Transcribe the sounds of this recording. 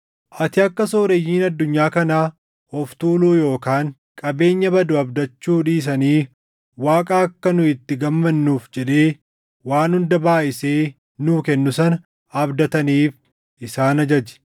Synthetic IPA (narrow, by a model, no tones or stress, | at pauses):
ʔɐt̪ɪɐkːɐso̞ːɾejːiːnɐd̪ːʊɲːaːkɐnaː | ɔft̪uːluːjo̞ːkaːŋ | kʼɐbe̞ːɲːɐbɐd̪ʊɐbd̪ɐt͡ʃːuːᶑiːs̬ɐniː | waːkʼaːɐkːɐnʊɪt̪ːɪɡɐmːɐnːuːfd͡ʒɛᶑe̞ː | waːnhʊnd̪ɐbaːʔɪse̞ː | nuːkɛnːʊsɐnɐ | ɐbd̪ɐt̪ɐniːf | ʔɪsaːnɐd͡ʒɐd͡ʒɛ̥